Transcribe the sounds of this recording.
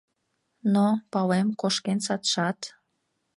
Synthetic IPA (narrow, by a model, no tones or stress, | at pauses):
nopɑlemkoʃkensɑt̪ʃɑt̪